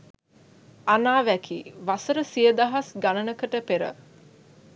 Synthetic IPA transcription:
anaːʋækʰḭːʋasəɾəsijəd̪aɦasɡanənəkəʈəpeɾə̰

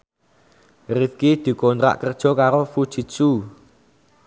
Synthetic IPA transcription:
rifkid̪̥i̤kɔnt̪ɾa̰ʔkərd̥ʒ̥ɔ̤kaɾofud̥ʒ̥i̤t̪t͡ʃu

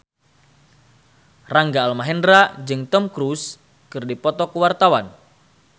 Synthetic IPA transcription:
raŋɡaːlmaɦɛndɾad͡ʒɨŋt̪ɔmkɾus | kɨrdipɔt̪ɔkəwart̪awan

